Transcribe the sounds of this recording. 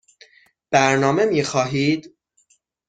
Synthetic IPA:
b̥æɾnɒːme̞miːxɒːɦiːd̪

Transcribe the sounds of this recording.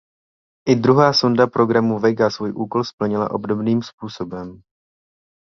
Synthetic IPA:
ʔɪd̪ɾuɦaːsondapɾo̞ɡɾamuvɛɡasvuːjʔuːko̞lspl̩ɲɪla̰ʔo̞bdo̞bniːmspuːso̞bɛm

